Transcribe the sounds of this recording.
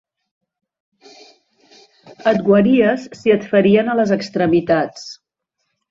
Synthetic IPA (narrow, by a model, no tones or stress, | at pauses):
ət̪ɡwəɾiəsːiət̪fəɾiənələzəkst̪ɾəmit̪at͡s